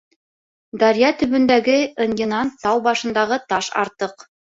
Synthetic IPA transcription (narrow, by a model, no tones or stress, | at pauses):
d̪ɑɾjɑt̪ɵ̆βɵ̆nd̪æɡɘɤ̆njɤ̆nɑnt̪ɑwbɑʃɤ̆nd̪ɑʁɤt̪ɑʃɑ̰ɾt̪ɤq